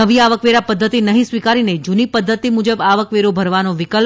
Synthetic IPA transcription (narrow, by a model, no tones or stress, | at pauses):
əʋiaʋəkʋeɾapəd̪ʱːət̪inəɦĩsʋikaɾined͡ʒunipəd̪ʱːət̪imud͡ʒəbaʋəkʋeɾobʱəɾʋanoʋɪkəl